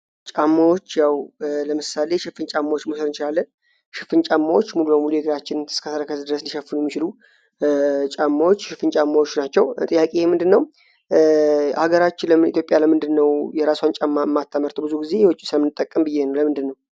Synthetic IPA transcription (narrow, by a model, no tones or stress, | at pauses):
t͡ʃʼamːawo̞t͡ʃːjawləmɨsale̞ʃɨfɨnt͡ʃʼamːawot͡ʃːmosəd̪ɨnt͡ʃɪlalːən | ʃɪfɨnt͡ʃʼamːawot͡ʃːmulubəmulujɛɡɨɾat͡ʃːɪnɨskʰəsəɾəkʰəsd̪ɨɾəsɨndiʃəfːɨnuɛmːit͡ʃɪlu | t͡ʃʼamːawot͡ʃːʃɪfɨnt͡ʃʼamːawot͡ʃːnat͡ʃːɛwt̪ʼɨjːakʼemɨnd̪ɨnːəw | haɡəɾat͡ʃːɪnləmɨnḭt̪ʰjo̞pʼjaləmɨnd̪ɨnːəwjɛɾaswant͡ʃʼamːaɨmːat̪ʰːəməɾt̪ʰbɨzuɡize̞jɛwɨt͡ʃʼːisɨləmɨnːɨt̪ʼːəkʼːəmbɨjːe̞nəwləmɨnd̪ɨnːəw